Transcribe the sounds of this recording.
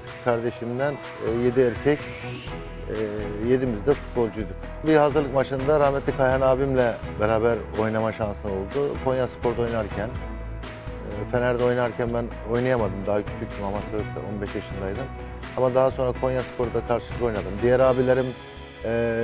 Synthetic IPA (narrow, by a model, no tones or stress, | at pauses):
t̪kʰaɾd̪e̞ʃimd̪ænː | je̞d̪iøɾcʰɛc | je̞d̪imizd̪ɛfu̥t̪̚bo̞lˠd͡ʒujd̪u | biɦazɯɾlˠɯkmaʃɯnd̪aɾahmɛt̪lʲikʰajanaːbimlʲɛbeɾaːbæɾo̞jnamaʃansɯno̞lˠd̪ukʰo̞njaspʰo̞ɾd̪o̞jnaɾcʰæn | ɛfe̞næɾd̪ɛo̞jnaɾcʰænbæn | o̞jnajamad̪ɯmd̪aɦacʰy̥t͡ʃʰyc̚ʲt̪ʰymamat̪ʰøo̞̰nbɛʃjaʃɯnd̪ajd̪ɯm | amad̪aɦaso̞nɾakʰo̞njasɯ̥pʰo̞ɾud̪akʰaɾʃɯlˠɯkʰo̞jnad̪ɯmd̪ijɛɾaːbilʲeɾimː